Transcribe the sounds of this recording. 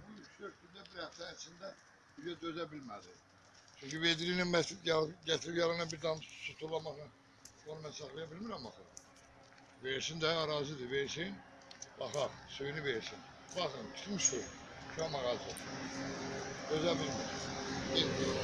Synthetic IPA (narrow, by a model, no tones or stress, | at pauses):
buyt͡ʃsøɾkʰynd̪æbiɾæft̪æsind̪æ | byzæd̪øzæbilmæd̪i | t͡ʃʰyɲcyved̪ɾininmæt̪jɑɟæt̪ʰɾijɑɾɯnɑbiɾd̪ɑmsut̪ʰulˠɑmɑxnɯ | bonumæsɑxlˠɑjɑbilmiɾæmbɑxɯɾ | veɾisind̪æɑɾɑːzɯd̪ɨveɾsin | bɑxɑsøjynyveɾsinbɑxɯnt͡ʃ̪ʰɯ̥t̪mɯʃt̪uʃɑmɑɣɑlˠso | d̪̥øzæbilmiɾind̪i